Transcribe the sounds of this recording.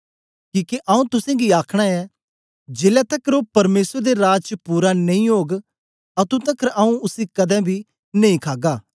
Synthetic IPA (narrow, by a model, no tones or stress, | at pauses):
kiːkeʔɐũt̪ʊsɛ̃ɡiaːkʰɽ̃aɛ | d͡ʒeːlat̪ɐkɾopɐɾmeːsəɾd̪eɾaːd͡ʒt͡ʃəpuːɾanɐ̃ĩoːɡ | ɐt̪ũt̪ɐkəɾɐũʊsikɐd̪ɛ̃bʱi | nɐ̃ĩkʰaːɡaː